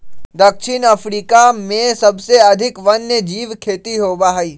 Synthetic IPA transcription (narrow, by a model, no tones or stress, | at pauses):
d̪ɐkʃʰɪnɐfɾiːkamẽsɐbseɐd̪ʱɪkʋɐnjəd͡ʒiːʋkʰeːt̪iɦoːbaɦaiː